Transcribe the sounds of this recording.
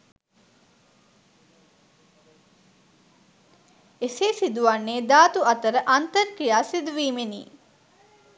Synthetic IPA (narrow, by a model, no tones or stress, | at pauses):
eseːsid̪uʋanːeːd̪aːt̪uɐt̪əɾəʔant̪əɾkijaːsid̪uʋiːmenḭː